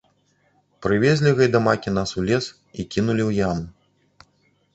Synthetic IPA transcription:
pɾɨvʲezʲlʲiɣɐjd̪ɐmakʲin̪asulʲɛs | ikʲinulʲiwjanu

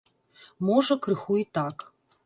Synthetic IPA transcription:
mɔʐɐkɾɨxuit̪ak

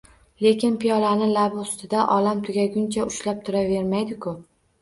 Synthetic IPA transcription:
le̞kʲɪnpijɒlanɪlabɪʊst̪ɪd̪aʔɒlamt̪ʰʊɡʲaɡʲʊnt͡ʃʰaʊʃlap̚t̪ʰʊɾave̞ɾmajd̪ɪkʰʊ

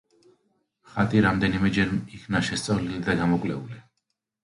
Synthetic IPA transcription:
χat̪ʼiɾamd̪ɛnimɛd͡ʒɛɾmikʰvnaʃɛst̪sʼavlilid̪aɡamɔkʼlɛ̰uli

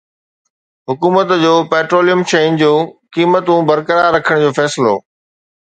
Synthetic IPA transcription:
ɦʊkuːmət̪d͡ʑoːpeːʈɾoːlijəmt͡ɕeːnd͡ʑoːkiːmət̪ũbɐɾkəɾaːɾɐkʰəɽ̃d͡ʑoːfɛːsɪlo̰ː

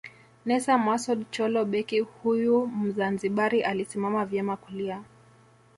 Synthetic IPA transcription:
nɛsamasɔdt͡ʃɔlɔɓɛkihujum̩zanziɓaɾiʔalisimamavjɛmakulia

